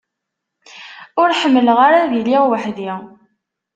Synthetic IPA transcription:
ʊɾħəmːəlʁaɾaðiliʁwəħði

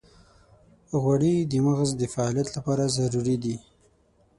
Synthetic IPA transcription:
ɣwaɽid̪əməɣzd̪əfaɑlijat̪lapɑɾazaɾuɾid̪i

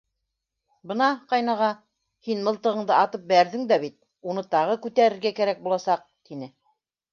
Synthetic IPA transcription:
bɤnɑqɑjnɑʁɑ | hinmɤ̆lˠt̪ɤ̆ʁɤ̆ɴd̪ɤɑt̪ɤp̚bæɾðɘŋd̪æβit̪̚ | unɤt̪ɑʁɤkʉt̪æɾɘ̆ɾɡækæɾæk̚bulˠɑsɑq̚t̪inɘ

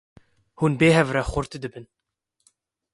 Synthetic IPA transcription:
huːnbeːɦɛvrɛxʊɾt̪d̪ɨbɨn

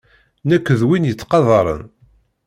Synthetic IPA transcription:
nækʷːəðwinjət͡sːqɑðˤɑɾˤə̰n

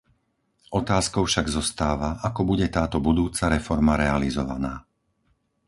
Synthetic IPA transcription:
ɔt̪aːskɔʊfʃaɡzɔst̪aːʋaʔakɔbuɟɛt̪aːt̪ɔbud̪uːt͡saɾɛfɔɾmaɾɛalizɔʋa̰naː

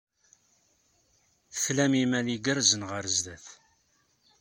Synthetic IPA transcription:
θə̥flæmimæliɡəɾzənʁəɾəzðæθ

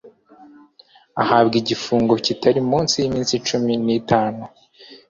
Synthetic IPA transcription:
ahabɡiɟifuːŋɡo̞citʰaɾimuːnsijimiːnsit͡ʃuminiːtaːnu

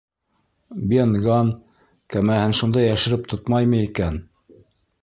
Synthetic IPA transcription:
benɡɑn | kæmæhɘnʃund̪ɑjæʃɘ̆ɾɘp̚t̪ot̪mɑjmɤikæn

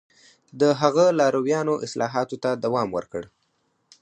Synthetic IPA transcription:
d̪əɦaɣəlɑɾawjɑnoʔɪslɑɦɑt̪ot̪ad̪awɑmwə̰ɾkəɽ

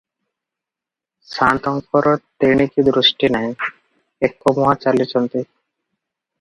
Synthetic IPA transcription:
ʃant̪ɔŋkɔɾot̪eɳ̃ikid̪ɾuʃʈinaj | ekːomuɦat͡ɕalit͡ɕont̪e

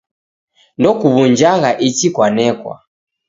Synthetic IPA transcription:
ndɔkuβuɲd͡ʒaɣaʔit͡ʃikwanɛkwa̰

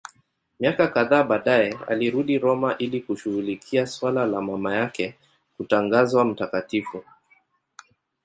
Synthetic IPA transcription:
miakakaðaːɓaɗajɛa̰liɾuɗiɾɔmaʔilikuʃuɣulikʰiaswalalamamajakɛ | kutaŋɡazwam̩takatifu

